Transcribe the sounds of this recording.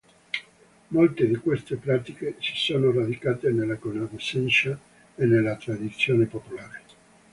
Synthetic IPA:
molt̪ed̪ikwest̪epɾaːt̪ikesi̥soːnorad̪ikaːt̪enelːakonavesɛnʃa | enelat̪ɾad̪it̪sːjoːnepopulaːɾe

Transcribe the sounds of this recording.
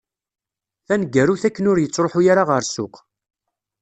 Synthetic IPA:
θænɡːæruθækːənʊɾjət͡sːɾoħujaɾaʁəɾsʊ̰q

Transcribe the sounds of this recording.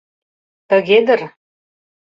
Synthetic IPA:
t̪ə̆ɣed̪ə̆r

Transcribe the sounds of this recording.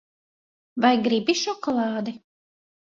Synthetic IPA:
vajɡɾibiʃɔkɔlˠɑːd̪i

